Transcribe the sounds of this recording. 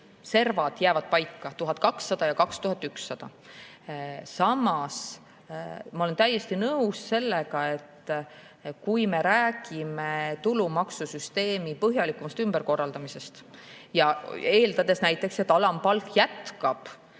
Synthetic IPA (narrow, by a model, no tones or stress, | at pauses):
se̞rvɑd̪̥jæːvɑd̪̚pɑjkːˑɑt̪uɦɑt̪̚ːˑkɑksːɑd̪̥ɑjɑkɑkst̪uɦɑt̪ːˑyksːɑd̪̥ɑ | sɑmɑs | mɑo̞le̞nt̪æjːe̞st̪inɤwsse̞lːeɡɑe̞t̪ː | kujme̞ɾæːɡ̥imet̪ulumɑksusyst̪e̞ːmipɤɦjɑlikːˑumɑst̪ymbe̞rko̞rːɑld̪̥ɑmise̞st̪jɑe̞ːld̪ɑd̪e̞snæjt̪ːˑe̞kse̞t̪ːˑɑlɑmpɑlkjæt̪kɑb̥